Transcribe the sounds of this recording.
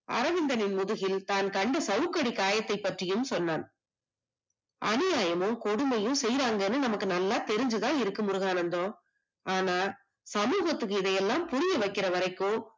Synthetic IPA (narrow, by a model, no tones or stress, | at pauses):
ʔɐ̰ɾɐʋɪnd̪ɐnɪnmʊðɯɣɪlt̪aːnkɐɳɖɐsɐʋɯkːɐɽikːaːjɐt̪ːɐɪpːɐʈrɪjɯmsɔnːaːn | ʔɐ̰nɪjaːjɐmɯmkɔɽɯmɐjɯmsɛjɾaːŋɡɐɛnːɯnɐmɐkːɯnɐlːaːt̪ɛɾɪɲd͡ʒɯðãːɪɾɯkːɯmʊɾɯɣaːnɐnd̪õː | aːnaː | sɐmuːɣɐt̪ːɯkːɯɪðɐjɛlːaːmpʊɾɪjɐʋɐɪkːɪɾɐʋɐɾɐɪkːoː